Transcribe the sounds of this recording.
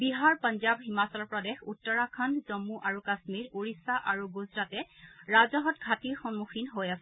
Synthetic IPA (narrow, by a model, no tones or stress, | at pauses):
biɦaɹpɔnzabɦimasɔɔpɹɔdexutːɔɹakʰanzɔmuʔaɹukasmiɹuɹisaʔaɹuɡuzɹatɛɹazɔɦɔtɡʱatiɹxɔnmuxʰinɦojasɛ